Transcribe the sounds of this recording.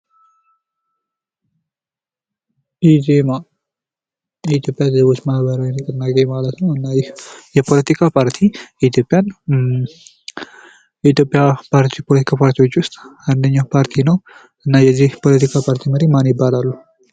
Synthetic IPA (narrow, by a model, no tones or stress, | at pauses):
izema | jɛit̪ʰjo̞pʼːjazəzəβot͡ʃːmahbəɾawinəkʼɨnːaɡɡemalət̪nəwɨnːajɛpʰo̞lət̪ʰikʰapʰaɾt̪ʰijɛit̪ʰjo̞pʼːjan | jɛit̪jo̞pʼːjapʰaɾt̪ipʰolət̪ʰi̥kʰapʰaɾt̪ʰiwo̞t͡ʃːwʊst̪ʼand̪əɲːawpʰaɾt̪ʰinəw | ʔɨnːajɛzːihpʰo̞lət̪ʰikʰapʰaɾt̪ʰiməɾemanjɪbːalalːu